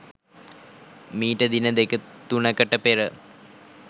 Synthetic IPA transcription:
miːʈəd̪inəd̪ekət̪unəkəʈəpeɾə

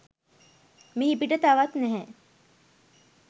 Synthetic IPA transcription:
miɦipiʈət̪aʋat̪nɛɦɛ

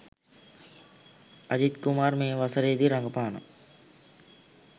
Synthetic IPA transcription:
ɐd͡ʒit̪kumaːrmeːʋasəɾeːd̪iɾaŋɡəpaːnə̰

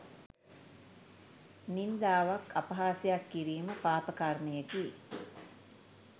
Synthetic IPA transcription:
nind̪aːʋakʰapɐɦaːsejakːiɾiːməpaːpəkarməjəki

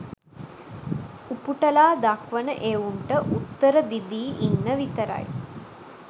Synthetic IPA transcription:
upuʈɐlaːd̪akʋənəʔeːʋuɳʈəʔut̪ːəɾəd̪id̪iːʔinːəʋit̪əɾa̰j

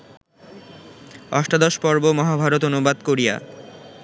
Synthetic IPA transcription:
ɔʃʈad̪oʃpɔɾbomɔɦabʱaɾot̪onubad̪koɾija̰

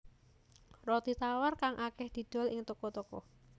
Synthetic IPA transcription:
rɔt̪it̪awarkaŋʔakɛhd̪̥i̤d̪̥ɔ̤lɪŋt̪ɔkɔt̪okɔ̰

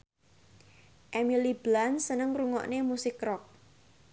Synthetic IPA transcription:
ʔemilib̥lansənəŋruŋɔ̰ʔnemusɪkrɔk̚

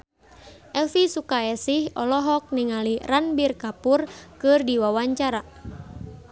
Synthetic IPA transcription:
ʔɛlfisukaɛsihɔlɔɦɔk̚niŋaliranbirkapurkɨrdiwawaɲt͡ʃaɾa

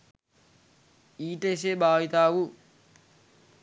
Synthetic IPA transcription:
iːʈes̬ebaːjit̪aːwu

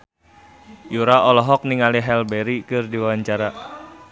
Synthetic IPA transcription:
juɾaɔlɔɦɔk̚niŋaliɦɛlbeɾikɨrdiwawaɲt͡ʃaɾa

